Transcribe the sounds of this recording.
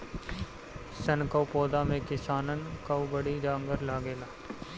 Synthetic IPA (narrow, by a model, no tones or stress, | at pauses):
sɐnkəwpoːd̪amẽkɪsaːnənkɐwbəɽid͡ʒãːŋɡəɾlaːɡeːlaː